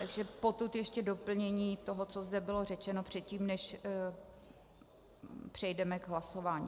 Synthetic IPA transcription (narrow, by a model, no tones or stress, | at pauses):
t̪aɡʒɛpo̞t̪ut̪jɛʃcɛdopl̩ɲɛɲiːt̪oɦot͡sozdɛbɪlo̞rɛt͡ʃɛno̞pr̝̥ɛt̪̚ciːmnɛʃ | pr̝̥ɛjdɛmɛɡɦlaso̞vaːɲi